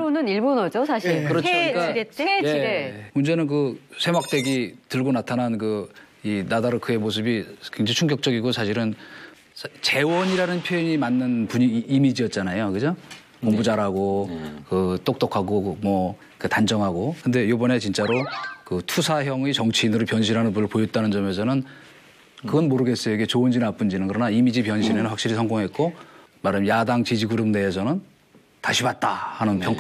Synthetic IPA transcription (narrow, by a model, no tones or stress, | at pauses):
onɯniɭbonʌd͡ʑosʰaɕikɯɾʌt͡ɕʰk͈ajemund͡ʑenɯnkɯsʰe̞ŋwak̚t͈e̞ɡitɯɭɡonatʰanankɯ | inadaɾokɯe̞mos̬ʰɯbikweŋd͡ʑait͡ɕʰuŋɡjʌk̚t͡ɕ͈ʌɡiɡosʰaɕʰiɾɯn | t͡ɕe̞wʌɲiɾanɯnpʰjojiɲimanːɯnpuɲiːmid͡ʑiʌt̚t͡ɕ͈anajokɯd͡ʑo | koŋbud͡ʑaɾɦaɡokɯt͈ok̚t͈okʰaɡomwʌ | kɯtand͡ʑʌŋɦaɡokɯnde̞jobʌne̞t͡ɕint͡ɕ͈aɾokɯtʰusʰaçjʌŋit͡ɕʌŋt͡ɕʰiːnɯɾopjʌnɕʰiɾɦanɯnpunɯɭpojʌt͈̚anɯnd͡ʑʌme̞sʰʌnɯn | kɯɡʌnmoɾɯɡe̞s͈ʌjoikʰe̞t͡ɕoɯnd͡ʑinap͈und͡ʑinɯnkɯɾʌnaimid͡ʑipjʌnɕʰinenɯnɸwakɕ͈iɾisʰʌŋɡoŋɦe̞t̚k͈o | maɾamjadaŋt͡ɕid͡ʑiɡuɾɯmde̞ːsʰʌnɯn | taɕʰibat̚t͈ahanɯnpʰjʌŋk